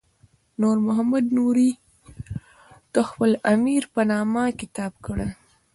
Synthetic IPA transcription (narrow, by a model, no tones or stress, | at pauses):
nuɾmʊɦamad̪nuɾi | t̪əxpəlamiɾpənɑmakɪt̪ɑb̚kəɽe